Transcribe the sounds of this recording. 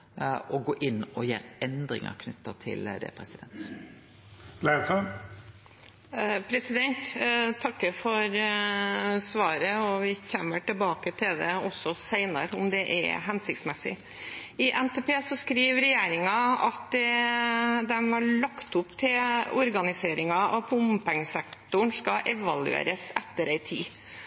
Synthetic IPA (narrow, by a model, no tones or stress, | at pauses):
ɔɡoːʔɪnːɔjḛːɾɛnd̪ɾɪ̰ŋə̰kʰnʉt̪ːət̪ʰɪ̰ld̪ɛ̰pʰɾɛsɪd̪ɛnt̪ | læɪsɔ | pʰɾɛsɪd̪ɛnt̪t̪ʰːɑkːəfɔɾ | sʋɑːɾəɔʋɪçɛmːəʈɪlbɑːkət̪ʰɪld̪ɛɔsːɔsæɪnəɾʊmd̪ɛʔɛ̰ɦɛnsɪkt̪smɛsɪ̰ | ɪʔɛnt̪eːpeːsɔskɾiːʋɾɛjeːɾɪŋɑɑt̪̚d̪ɛ | d̪ɛmhɑɭɑkt̪ʊpt̪ʰɪlɔɾɡɑnɪseːɾɪŋɑʔɑpʰʊmpɪŋsɛkt̪ʊɳskɑʔɛʋɑlʉ̰ḛːɾəsɛt̪ːəɾæɪt̪ʰḭː